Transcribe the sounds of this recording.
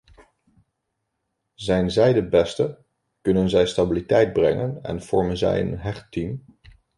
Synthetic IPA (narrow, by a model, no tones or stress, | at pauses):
zɛjnzɛjdəbɛstə | kɵnənzɛjstabilitɛjd̚brɛŋənɛ̰nv̥ɔɹmənzɛ̰jə̰nɦɛχtim